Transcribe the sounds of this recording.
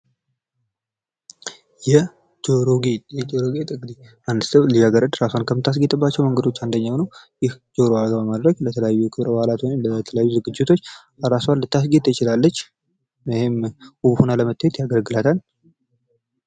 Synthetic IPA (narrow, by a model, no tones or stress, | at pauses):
jɛ | ɾoɡejɛt͡ʃʼoɾoɡet̪ʼɨŋɡd̪i | and̪ɨst̪əwlijjaɡəɾəd̪ɾaswankʰəmɨt̪ʰːas̬ɡet̪ʼɨbːat͡ʃːɛwməŋɡəd̪o̞t͡ʃːand̪əɲːawnəwjɪhd͡ʒoɾoaɡəβamad̪ɾəɡlət̪ʰələjajːujɛkʰɨβɾwhalat̪wnmlət̪ʰələjajːuzɨɡɨd͡ʒːɪt̪ʰo̞t͡ʃː | ɾaswanlːɨt̪ːas̬ɡet̪ːt͡ʃɪlalːət͡ʃː | hemuβhonaləmət̪ːahjet̪jaɡəlɡɨlat̪ʰal